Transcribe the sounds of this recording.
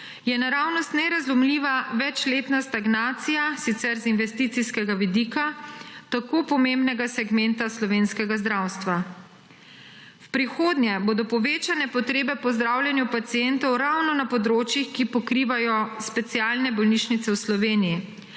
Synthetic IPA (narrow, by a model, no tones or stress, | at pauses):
jɛnaɾaːwnɔst̪nɛɾazlumliːʋaʋɛt͡ʃleːt̪nast̪aɡnaːt̪sijasit̪sɛɾzinʋɛst̪it̪siskɛɡaʋid̪iːkat̪akoːpɔmembnɛɡasɛɡmɛnt̪aslɔʋeːnskɛɡazd̪ɾawst̪ʋa | wpɾixoːd̪nʲjɛboːd̪ɔpɔʋeːt͡ʃanɛpɔt̪ɾeːbɛpɔzd̪ɾaːwljɛnjupat̪siɛnt̪ɔwɾawnɔnapɔd̪ɾoːt͡ʃjixkipɔkɾiːʋajɔspɛt̪siaːlnɛbɔlniʃnit̪sɛwslɔʋeːniji